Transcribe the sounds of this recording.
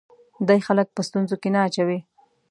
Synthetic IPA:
d̪ajxalək̚pəst̪unzokenaːt͡ʃawi

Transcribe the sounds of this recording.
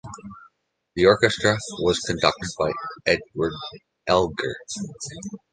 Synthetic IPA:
ðiɔɹkɨstɹ̥əwʌz̥kʰɨ̃ndʌk̚tɨd̚baɪɛd̚wə˞d | ʔɛlˠɡə̰˞

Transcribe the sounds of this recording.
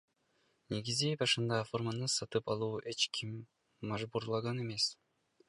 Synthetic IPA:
ne̞ɡizibɑʃɯnd̪ɑfo̞rmanɯsɑt̪ɯpɑlˠuːʔe̞t͡ʃkʰimː | ɑʒbuɾlˠɑʁɑne̞me̞s

